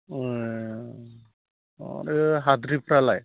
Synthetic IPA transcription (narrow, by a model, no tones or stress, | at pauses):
eɦad̪ɾipɾalaj